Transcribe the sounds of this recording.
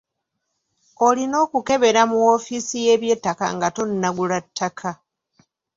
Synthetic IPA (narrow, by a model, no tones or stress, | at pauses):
o̞lino̞ːkuke̞βe̞ɾamuo̞fisije̞ːβje̞tːaka̰ŋɡato̞nːaɡulatʰːakʰa